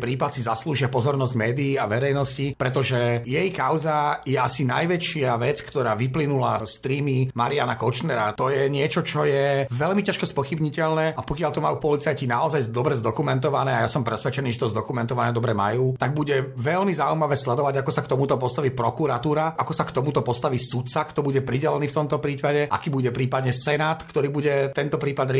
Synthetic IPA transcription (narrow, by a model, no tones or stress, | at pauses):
pɾiːpat̪sizasluːʒɪapɔzɔɾnɔzɟmɛːd̪iːaʋɛɾɛjnɔscipɾɛt̪ɔʒɛjɛjkaʊzajɛasinajʋɛt͡ʃɪaʋɛt͡skt̪ɔɾaːʋiplinulast̪ɾiːmimaɾianakɔt͡ʃnɛɾa̰t̪ɔjɛɲɪɛt͡ʃɔt͡ʃɔjɛʋɛlmicaʃkɔspɔxibɲicɛʎnɛːapɔkɪaʎt̪ɔmajuːpɔlit͡sajcinaɔzajzd̪ɔbɾɛzd̪ɔkumɛnt̪ɔʋanɛːajasɔmpɾɛsʋɛt͡ʃɛniːʒɛt̪ɔzd̪ɔkumɛnt̪ɔʋanɛːd̪ɔbɾɛma̰juːt̪aɡ̚buɟɛʋɛʎmizaujmaʋɛːslɛd̪ɔʋaɟakɔsakt̪ɔmut̪ɔpɔst̪aʋiːpɾɔkuɾat̪uːɾaʔakɔsakt̪ɔmut̪ɔpɔst̪aʋiːsut̪t͡sakt̪ɔbuɟɛpɾiɟɛlɛniːft̪ɔmt̪ɔpɾiːpaɟɛʔa̰kiːbuɟɛpɾiːpad̪ɲɛsɛnaːt̪kt̪ɔɾiːbuɟɛt̪ɛnt̪ɔpɾiːpad̪ɾ